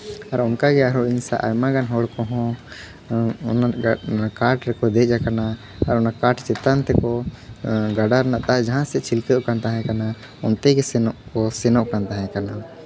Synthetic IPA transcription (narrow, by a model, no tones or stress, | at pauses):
aɾɔnkaɡɛaɾɔʔiɲsa̰ʔa̰jmaɡanɦɔɽkɔ̃ɦɔ̃ | naakaʈɾɛkɔd̪ɛˀd͡ʒakana | aɾɔnakaʈt͡ʃɛt̪ant̪ɛkɔ | ɡaɖaɾnaʔt̪ad͡ʒaɦãsɛt͡ʃʰilkəkant̪aɦɛ̃kana | ɔnt̪ɛɡɛsɛnɔʔkɔsɛnɔʔkant̪aɦɛ̃kana